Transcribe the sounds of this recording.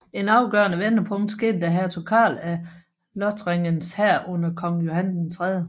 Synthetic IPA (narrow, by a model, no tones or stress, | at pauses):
e̝nɑ̈ʊɡ̥ɶɐnəʋenɐpʰɔ̽ŋd̥sɡ̥e̝̰ːd̥əd̥æɦæɐ̰t͡sʰɒkʰɑ̰̈ːlæ | lɒd̥ʰʁeŋənshæɐ̰ʔɔ̽n̰ɐkʰɒ̽ŋjo̝hænsn̩t͡sʰʁɛðˠə